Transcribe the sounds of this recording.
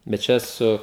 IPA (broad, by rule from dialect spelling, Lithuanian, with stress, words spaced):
bʲɛt ˈt͡ʃʲɛ ˈsʊ